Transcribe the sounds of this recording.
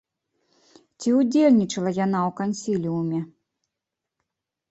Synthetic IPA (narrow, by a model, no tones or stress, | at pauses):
t͡sʲiud͡zʲelʲnʲit͡ʂɐlˠɐjanawkanʲsʲilʲiumʲɛ